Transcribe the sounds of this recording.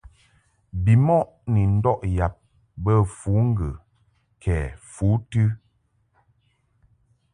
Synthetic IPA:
bi˨mɔ˦ʔ | ni˨n̩˦dɔ˦ʔja˨p̚ | bə˦˨fuː˨˦ŋ̩˦ɡɨ˨ | kʰɛ˨fu˨˦tɨ˦

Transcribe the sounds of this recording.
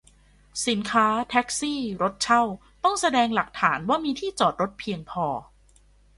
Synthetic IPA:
si˩˦nkʰaː˦˥t̪ʰɛ˦˥k̚siː˥˩ɾo˦˥t̪̚t͡ɕʰa˥˩w | t̪ɔ˥˩ŋsa˧dɛː˧ŋla˨˩k̚t̪ʰaː˩˦nwaː˥˩miː˧t̪ʰiː˥˩t͡ɕɔː˨˩t̪̚ɾo˦˥t̪̚pʰi˧əŋpʰɔː˧

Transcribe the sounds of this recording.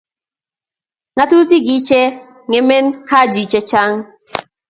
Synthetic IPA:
ŋa˨tu˦ti˦ɡi˨˦t͡ʃe˦ | ŋe˨me˦n˦ha˦˨d͡ʒi˨t͡ʃe˦t͡ʃa˦ŋ˦

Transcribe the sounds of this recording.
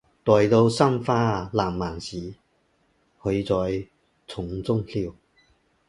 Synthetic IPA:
t̪ɔː˨jt̪o˧wsa˥mfaː˧laː˨˩mːaː˨˩nsiː˨˥ | hɵ˧jt͡sɔː˨˧j | t͡sʰʊ˨˥ŋt͡sʊ˥ŋliː˧w

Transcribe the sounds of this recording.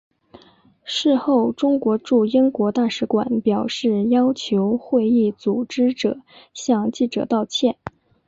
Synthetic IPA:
ʂɻ̩˥˧xo˥˩ʊʈ͡ʂʊ˥ŋkwɔ˧˥ʈ͡ʂu˥˩i˥ŋkwɔ˧˥t̪a˥˩ʂɻ̩˧˥kwa̰˨˩npjɑ˨˩ʊʂɻ̩˥˩jɑ˥ʊt͡ɕʰjo˧˥ʊxwe˥˧ɪi˥˩t͡su˨˩ʈ͡ʂɻ̩˥ʈ͡ʂɤ̰˨˩˦ɕjɑ˥˧ŋt͡ɕi˥˩ʈ͡ʂɤ̰˨˩t̪ɑ˥˧ʊt͡ɕʰjɛ˥˩n

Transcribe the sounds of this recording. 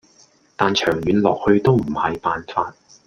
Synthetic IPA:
t̪aː˨nt͡ʃʰœː˨˩ŋjyː˨˥nlɔ̰ː˨k̚hɵ˧ɥt̪o˥wm̩˨˩hɐ˨jpaː˨nfaː˧t̚

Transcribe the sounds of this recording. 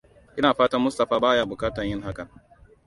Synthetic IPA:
ʔɪ˦naː˨ɸaː˦tɐ˦rmʊ˦stɐ˨ɸaː˦baː˦jaː˦bʊ˨kaː˦tɐ˨ɲjɪ˦ŋɦa˦kɐ˨n

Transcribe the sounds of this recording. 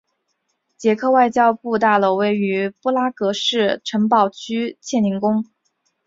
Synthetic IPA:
t͡ɕjɛ˧˥kʰɤ˥˧wa˥˧ɪt͡ɕjɑ˥ʊpu˥˧t̪a˥˧lo˥˩ʊwe˥˩ɪy˧˥pɔ˥la˥kɤ˧˥ʂɻ̩˥˩ʈ͡ʂʰɤ˧˥ŋpɑ˥˩ʊt͡ɕʰy˥t͡ɕʰjɛ˥˩ni˧˥ŋkʊ˥ŋ

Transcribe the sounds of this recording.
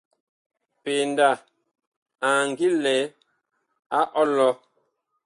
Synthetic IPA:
pe˨nda˦˨ | a˨ŋ˨ɡi˦lɛ˨˦ | a˦ʔɔ˦lɔ˦

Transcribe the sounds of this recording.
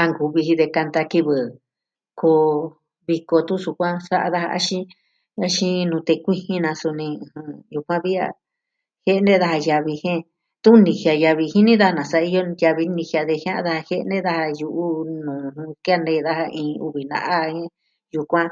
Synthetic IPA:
a˧ŋɡu˨βi˧hi˧ðe˧ka˧nt̪a˧ki˧βɨ˨ | kʰo˧ | βi˧ko˧t̪ũ˦su˧kʷã˦sa˦ʔa̰˧ða˦ha̰˧a̰˦ʃĩ˦ | a˦ʃĩ˦nũ˧t̪e˧kʷi˦hĩ˦nã˧su˧nĩ˧˨hɨ̃˧ju˧kʷã˦βi˦a̰˧ | he˦˧nẽ˦ða˧ha˧ja˧βi˧hẽ˦ | t̪ũ˦nĩ˨hja˧ja˧βi˧hi˦nĩ˦ða˦a˧nã˨sa˧ʔi˧jo˦ja˧βi˧nĩ˧hja˧ðe˧hj̃ã˦ʔã˧ða˧a˧he˦ʔnẽ˦ða˧ha˧ju˧ʔu˦nũː˨˧ũ˧ki˦a˦˧nẽ˧˦˧ða˦˧ha˧ʔĩː˧˨˧u˧βi˨nã̰˧ʔa˦hẽ˦ | ju˧kʷã˦

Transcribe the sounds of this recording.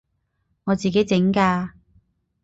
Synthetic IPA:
ŋɔː˨˧t͡siː˨˩ke˨˥jt͡sɪ˨˥ŋkaː˧

